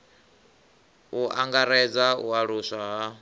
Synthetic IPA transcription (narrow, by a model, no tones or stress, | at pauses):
uʔaŋɡaɾɛd͡zauaɺusaɦa